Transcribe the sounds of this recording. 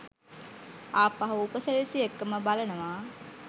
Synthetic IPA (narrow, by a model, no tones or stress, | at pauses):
aːpaɦuupəseɾisiekːəməbalənəʋaː